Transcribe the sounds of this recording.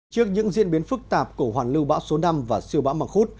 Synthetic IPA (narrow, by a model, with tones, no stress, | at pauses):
t͡ɕɨ˦˥ək̚ɲɨ̰˧˥ŋzḭ˧˥nɓi˨˦ənfɨ˦˥k̚t̪aː˨˩p̚ku˧˩əɦwaː˨˩nlɨ˧wɓa̰ː˧˥wso˨˦na˧mvaː˨˩si˧əwɓa̰ː˧˥wma˨˩ŋxu˦˥t̚